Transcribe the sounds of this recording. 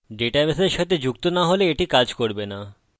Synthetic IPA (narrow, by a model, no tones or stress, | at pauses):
ɖeʈaʋeseɾʃat̪ed͡ʑuk̚t̪onaɦoleːʈikad͡ʑkoɽbena